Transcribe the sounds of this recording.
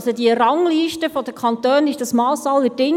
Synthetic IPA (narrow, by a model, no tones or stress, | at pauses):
sodiərɑŋliːʃtəfɔdəkʰɑnt̪œːnɪʃd̥ɑsmɑːsɑlədɪŋ